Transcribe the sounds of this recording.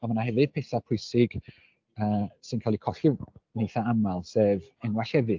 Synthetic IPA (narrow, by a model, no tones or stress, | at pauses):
amanahɛvɨd̚pʰeθapʰʊjsɪɡ̥ | əːsɨnkʰalˠikʰɔɬɪnejθaamalˠsɛːvɛnwaɬɛvɨ